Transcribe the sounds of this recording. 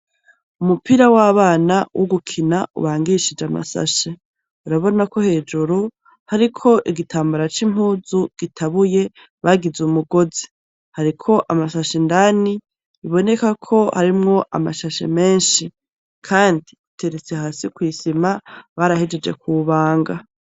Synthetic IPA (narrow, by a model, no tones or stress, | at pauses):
umupiɾawaβaːnawʔoɡukʰinaṵβaːŋɡiʃid͡ʒama̰sa̰ʃe | uɾaβo̞nako̞he̞ːd͡ʒuɾu | haɾikʰo̞ʔiɡitʰaːmbaɾat͡ʃim̥huːzuɡ̥itʰaβuje̞ | βaɡizumuɡo̞zi | haɾikʰo̞ʔamasaʃendani | iβo̞ne̞kakʰo̞haɾimŋo̞ʔa̰maʃaʃḛme̞ːnʃi | kʰaːndiute̞ɾet͡sehasikwiːsimaβaɾahid͡ʒe̞d͡ʒe̞̰kuβaːŋɡa